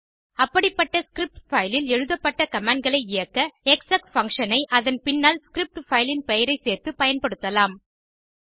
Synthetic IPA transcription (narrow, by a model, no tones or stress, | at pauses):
ɐpːɐɽɪpːɐʈːɐskɾɪp̚ʈfɐjlɪlɛɻɯðɐpːɐʈːɐkɐmaːɳɖ̚ɡɐɭɐɪɪjɐkːɐɛksaːkfɐŋkʂɐnɐɪʔɐðɐnpɪnːaːlskɾɪp̚ʈfɐjlɪnpɛjɐɾɐɪseːrt̪ɯpɐjɐnpɐɽɯt̪ːɐlaːm